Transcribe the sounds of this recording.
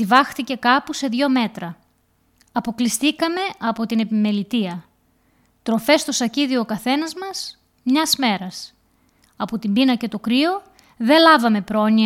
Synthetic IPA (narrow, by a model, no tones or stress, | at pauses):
ivɐxt̪ice̞kɐpuse̞ðʝo̞me̞t̪ɾɐ | ɐpo̞klist̪ikɐme̞ɐpo̞t̪ine̞pime̞lit̪iɐ | t̪ɾo̞fe̞st̪o̞sɐciðio̞kɐθe̞nɐzmɐs | mɲɐzme̞ɾɐs | ɐpo̞t̪imbinɐce̞t̪o̞kɾio̞ | ðe̞lɐvɐme̞pɾo̞ni